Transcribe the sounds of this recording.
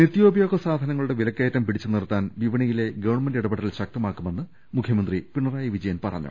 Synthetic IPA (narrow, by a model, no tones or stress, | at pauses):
nit̪ːjo̞ːbʱɐjo̞ːɡɐsaːd̪ʱɐnɐŋːɐɭuɽeʋilɐkːejtːɐmpiɽit͡ɕːunirt̪ːaːnʋiʋɐɳɐjile̞ɡɐʋɐɳmɐndiɽɐbɐɽɐilɕɐk̚t̪ɐmaːkːume̞nːɨ | mukʰjɐmɐnd̪ripiɳːɐraːjɐʋid͡ʑɐjɐnpɐrɐ̰ɲːṵ